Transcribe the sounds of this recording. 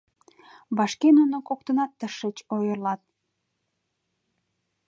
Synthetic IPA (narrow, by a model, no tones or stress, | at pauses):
βɑʃkenunokok̚t̪ənɑt̪ːəʃət͡ɕojərlɑt̪̚